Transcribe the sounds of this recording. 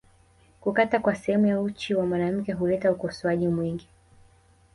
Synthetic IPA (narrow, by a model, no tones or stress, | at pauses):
kukatakwasɛhɛmujaut͡ʃiwamwanam̩kɛɦulɛtaukɔswaʄimwiŋɡi